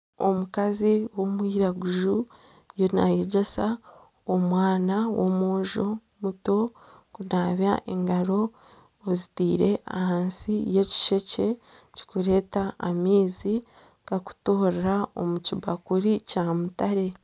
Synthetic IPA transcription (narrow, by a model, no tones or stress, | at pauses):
o̰mukaziwo̞mwiːɾaɡuʒu | jonajeɟesa | omwaːnawo̰moːʒo̞ | muto̞ | kunaːβjaʔḛŋɡaɾo̞ː | zitiːɾe̞ʔa̰haːnsije̞ci̥ʃe̞ce̞ | ci̥kuɾe̞ːtaːmiːzi | kaku̥to̞ːɾɾao̞̰mucibakuɾicaːmutaɾe̞